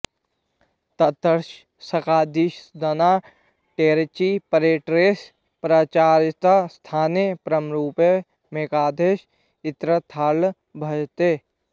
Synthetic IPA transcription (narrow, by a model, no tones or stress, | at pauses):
t̪ɐt̪əɾʃ | sɐkaːd̪iʃd̪ɐnaː | ʈeːɾt͡ʃipəɾeːʈɾeːs | pɾaːt͡ʃaːɾt̪ast̪ʰaːnepɾəmɾuːpe | meːkaːd̪ʱeːʃ | ɪt̪ɾət̪ʰaːl | bʱɐd͡ʒt̪eː